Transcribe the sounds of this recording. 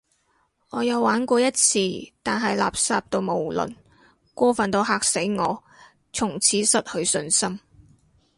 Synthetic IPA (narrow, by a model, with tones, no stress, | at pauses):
ŋɔː˨˧jɐ˨˧wːaː˨˥nkʷɔː˧jɐ˥t̚t͡sʰiː˧t̪aː˨nɦɐ˨jla̰ː˨p̚saː˧p̚t̪o˧wmo˨˩wlɵ̰˨n | kʷɔː˥fɐ˨nt̪o˨˧wɦaː˧k̚se˨˥jŋɔː˨˧ | t͡sʰʊ˨˩ŋt͡sʰiː˨˥sɐ˨t̚hɵ˨˧ɥsɵ˧nsɐ˥m